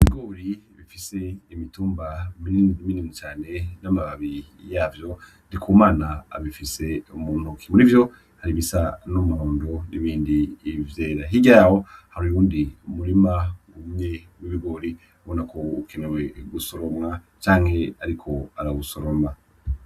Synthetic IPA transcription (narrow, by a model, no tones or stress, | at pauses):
iβiɡo̞ːɾiβifise̞imituːmbaminminimut͡ʃaːne̞namaβaβijaːvjo̞ndikʰuːmaːna̰ːβifise̞umuːn̥hukʰi̥muɾivjo̞ | haɾiβisanomuoːndoniβiːndiːvje̞ːɾaɦiɟajaho̞haɾuuːndiumuɾimaŋɡumɲe̞miβiɡo̞ːɾi | βonako̞ukʰe̞ne̞we̞ɡusoɾomŋa | t͡ʃaːŋ̥he̞aɾikʰo̞aɾaɡusoɾomŋa